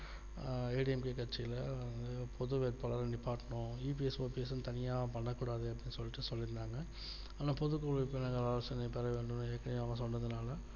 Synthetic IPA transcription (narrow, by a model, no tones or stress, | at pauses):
eːɖɪɛmkekɐʈt͡ʃːɪjɪlɐnd̪ɯpʰɔðɯʋeːɾpɐlɐɾɐɳɖɪpːaːɾʈɐnõiːp̬iɛsʋoːpiɛsɯnt̪ɐnɪjaːʋɐ̃pɐɳːɐkːuːɽaːðɯɐp̬ːɐɽɪnːɯsɔlːɪʈːɯsɔlːɪɾɯnd̪aːŋɡɐ | ɐːnaːpɔðɯkːoːɭɪpːonaːŋɡɐɾaːlɐsɐnɐpɛɾɐʋeːɳɖɯmnːɯeːkːɐnɪjaːmɐ̃s̬ɔnːɐðɯnaːlɐ